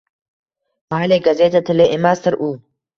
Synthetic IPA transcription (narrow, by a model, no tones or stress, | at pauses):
maːleːɡɐzeːt̪ɐt̪ʰɪleʔɪmaːst̪ɐɾʔuː